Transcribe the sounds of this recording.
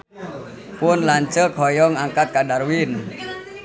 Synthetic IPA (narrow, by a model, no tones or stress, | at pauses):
pʊnlaɲt͡ʃəkʰɔjɔŋaŋkat̪̚kadarwin